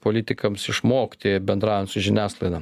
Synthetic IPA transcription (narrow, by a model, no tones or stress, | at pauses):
poːlʲɪt̪ʲɪkɐmsɪʃmoːkt̪ʲebʲɛnd̪ɾɑːʋʲɛnt̪sʊʒʲɪnʲæːslˠɐɪd̪ɐ